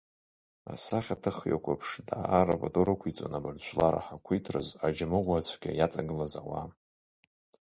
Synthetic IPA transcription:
a̰saχʲatʰɨχja̰kʷʰʼapʰʂdaarabatʼoɾɨkʷʰit͡sʼonabɨrt͡ɕʷʰlaɾa̰ħakʷʰitʰrɨ̰zad͡ʒamɨʁʷat͡ɕʷʰɡʲʼajat͡sʼaɡɨlazawa

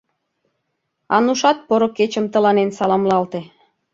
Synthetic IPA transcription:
ɑnuʃɑt̪̚poɾoket͡ɕəmt̪ə̆lɑnensɑlɑmlɑlt̪e

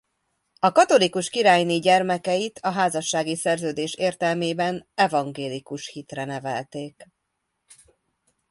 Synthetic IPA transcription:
ɒkɒt̪o̞likuʃkiɾaːjniɟɛrmɛkɛjit̪ʰɒɦaːzɒʃːaːɡisɛrzøːd̪eːʃeːrt̪ɛlmeːbɛnɛvɒŋɡeːlikuʃhit̪rɛnɛvɛ̰lt̪eːk

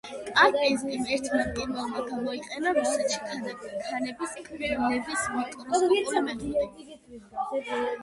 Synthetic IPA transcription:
kʼaizimɛɾt̪ʰmamt̪ʼimɔlˠmaɡamɔiqʼɛnaɾuusɛt̪ʃi̥kʰanakʰanɛbiskʰʼilɛbismɛkʼɔnamɛt̪ʼɛ

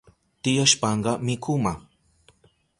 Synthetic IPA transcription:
t̪ɪjaʃpɑɴɢɑmɪkʰʊma

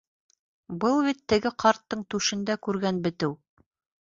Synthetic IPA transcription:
bɤlˠbit̪ːɘ̆ɡɘqʰɑɾt̪ːɤɴt̪ʉʃɘ̆nd̪ækʉɾɡænbɘ̆t̪ɘw

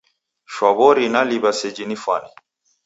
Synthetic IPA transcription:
ʃwaβɔɾinaliβasɛd͡ʒinifa̰ni

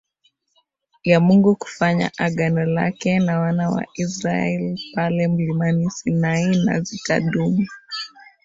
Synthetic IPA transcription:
jamuŋɡuku̥faɲa̰ʔaɡanɔla̰kɛnawanawa̰ʔisɾaɛlipalɛm̩limanisinaina̰zita̰ɗumi

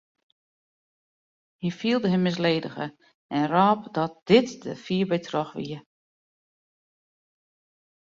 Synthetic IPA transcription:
hifiəlˠdəɦəmːɪs̬leːdə̰ɣə̰ | ʔɛnraːp̚dɔt̚d̥ɪtd̥əfiːəbɛjtʰrɔxʋḭə

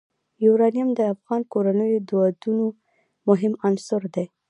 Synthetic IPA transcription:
joɾɑnijamd̪əafɣɑnkoɾanəjod̪wɑd̪uno | mʊɦɪmansʊɾd̪e

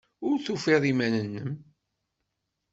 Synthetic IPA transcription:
ʊɾθufeðˤimænənːəm

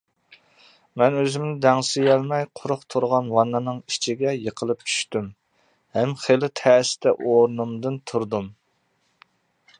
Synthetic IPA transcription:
mɛnøzɪmnɪd̪ɛŋsɪjɛlmɛjqʰʊɾʊχt̪ʰuɾʁɑnwɑnːɨnɨŋit͡ʃʰiɡʲɛjəqʰəlˠɨp̚t͡ʃʰy̥ʃt̪ym | hɛmχelɪt̪ʰɛːsɪ̥t̪ɛʔoɾnumd̪ɨnt̪ʰuɾd̪um

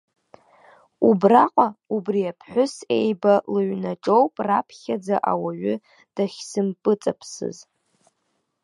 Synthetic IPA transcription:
ubraqʷʼaubriapʰħʷᶣʊse̞jbalɨɥnaʈ͡ʂʼowpʼrapʰχʲad͡zaʔawaɥʏ | d̥aχʲsɨmpʼɨt͡sʼapʰsɨ̰z

